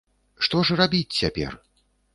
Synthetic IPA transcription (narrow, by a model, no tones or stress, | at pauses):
ʂt̪ɔʐɨrabʲit͡sʲt͡sʲapʲɛ̰r